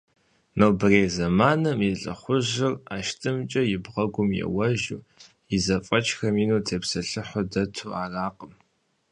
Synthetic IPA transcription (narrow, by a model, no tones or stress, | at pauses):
nowbɨreːzɐmaːnɨmjiɬʼɐ̰χʷʊʑɪraːʃtʰɨmt͡ʃʼɐjɪbʁɐɡʷʊmjɛ̰wɐʒṵː | jɪzɐfʼɐt͡ʃʰʼxɐmiːnuːtʰeːpsɐɬɨħʷʊdɐtʰuːaːraːqəm